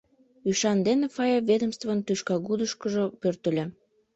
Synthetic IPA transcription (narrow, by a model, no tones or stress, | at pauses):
yʃɑnd̪enefɑjɑβed̪əmst̪vənt̪yʃkɑɣud̪əʃkəʒopørt̪ə̆lʲe